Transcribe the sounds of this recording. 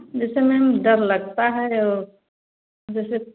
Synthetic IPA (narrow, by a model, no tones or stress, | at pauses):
d͡ʒɛːsemɛ̃mɖɐɾlɐɡt̪aɦɛɔːɾ | d͡ʒɛːse